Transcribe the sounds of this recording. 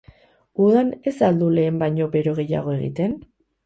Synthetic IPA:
uðane̞sald̪ule̞ːmbajɲo̞be̞ɾo̞ɣe̞ja̰ɣ̞o̞e̞ɣ̞ḭt̪e̞n

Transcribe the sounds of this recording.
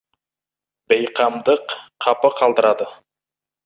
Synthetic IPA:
bejqɑmd̪əqʰːɑpəqʰɑlˠd̪əɾɑd̪ə

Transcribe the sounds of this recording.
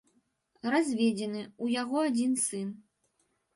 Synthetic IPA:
razʲvʲed͡zʲɛnɨujaɣɔad͡zʲinsɨn

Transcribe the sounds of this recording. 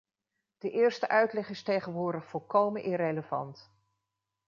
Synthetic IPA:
d̥əʔɪːɹstəʔœɥtlɛχɪstejχənʋʊːɹdəχfɔlˠkowmənʔɪreləvɑ̰nt

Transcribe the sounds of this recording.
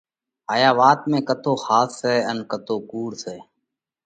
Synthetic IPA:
aːjaːʋaːt̪mẽːkət̪ʰoːhaːsːɛːənkət̪ʰoːkuːɽsɛː

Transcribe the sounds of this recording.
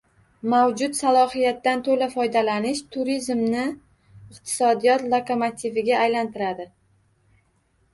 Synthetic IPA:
mawd͡ʒʊt̪salˠɒhijat̪ːant̪ʰolafɒjd̪alanɪʃt̪ʰʊɾizmnɪ | ɪqt̪ʰɪ̥sɒd̪ijɒt̪lˠokʰomat̪ʰivɪɡʲaːjlant̪ʰɪɾad̪ɪ

